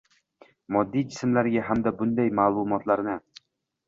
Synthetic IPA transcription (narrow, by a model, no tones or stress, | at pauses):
mɒd̪ːijd͡ʒɪsmlaɾɡʲaɦamd̪abʊnd̪ajmaːlˠʊmɒt̪ʰlaɾnɪ